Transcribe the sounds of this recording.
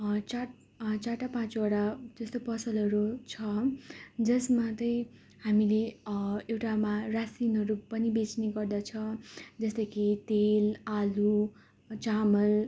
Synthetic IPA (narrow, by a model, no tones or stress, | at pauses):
t͡saʈ | t͡saʈapãt͡sʌɽad͡zʌst̪opʌsʌlʌɾut͡sʰʌ | d͡zʌsmat̪ʌj̃ | hamileewʈamarasinɦʌɾupʌnibet͡sneɡʌrd̪at͡sʰʌd͡zʌsd̪ʌkit̪elalu | t͡samʌl